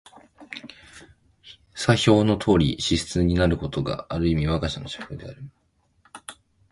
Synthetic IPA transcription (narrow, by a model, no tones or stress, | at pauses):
saçʲo̞ːno̞t̪ʰo̞ːɾʲḭɕisɨ̥t͡sɨɲ̟inaɾɯ̟ko̞t̪o̞ɡa̰ːɾɯ̟imʲiβakaɕano̞ɕḁkɯ̟d̪e̞aɾʲima